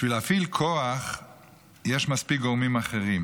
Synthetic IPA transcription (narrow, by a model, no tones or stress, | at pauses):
ʃvilafilkʰoaχ | jeʃmaspik̚ɡomimaχeʁim